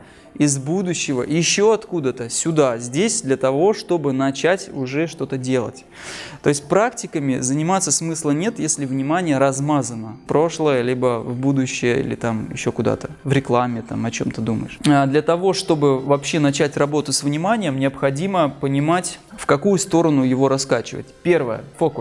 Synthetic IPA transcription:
ɪzbud̪ʊɕːɪvə̰jɪɕːo̞ɐt̪kud̪ət̪əsʲʊd̪azʲdʲesʲd̪lʲət̪ɐvo̞ʂt̪o̞bɨnɐt͡ɕætʲʊʐɛʂt̪o̞t̪ədʲe̞lˠə̰tʲ | t̪o̞ɪsʲt̚ʲpɾaktʲɪkəmʲɪzənʲɪmat̪sːəsmɨslˠənʲe̞t̪jesʲlʲɪvnʲɪmanʲɪjəɾɐzmazənəpɾo̞ʂlˠəjəlʲibəvbud̪ʊɕːɪjəḭlʲɪ̰t̪amjɪ̰ɕːo̞kʊd̪a̰t̪əvɾʲɪklˠamʲːɪt̪amɐt͡ɕo̞mt̪əd̪umə̰jɪʂad̪lʲɐt̪ɐvo̞ʂt̪o̞bɨvɐpɕːe̞nɐt͡ɕætʲrɐbo̞t̪ʊsvnʲɪmanʲɪjəmnʲɪɐpxɐdʲiməpənʲɪmatʲfkɐkujʊst̪o̞ɾənʊjɪvo̞ɾɐskat͡ɕɪvə̰t̚ʲpʲe̞rvəjə̰fokʊ

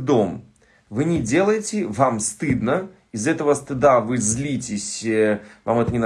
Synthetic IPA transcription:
d̪om | vɨnʲɪdʲelˠəjɪtʲɪvamst̪ɨd̪nə | izɛt̪əvəst̪ɨd̪avɨzʲlʲitʲɪsʲva̰mɛt̪ənʲɪn

